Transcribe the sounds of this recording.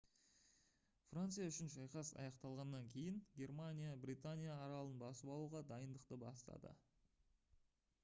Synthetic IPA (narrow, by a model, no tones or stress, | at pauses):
frant̪sɨjaʏʃɪnʒɑjqɑsɑ̰jɑqt̪ɑlˠʁɑnːɑŋkʲʰe̞jɪŋɡʲe̞rmanʲijabrʲit̪anʲijaːɾɑlˠənbɑsəpɑlˠuʁɑd̪ɑjənd̪əqt̪əbɑ̰st̪ɑ̰d̪ə̰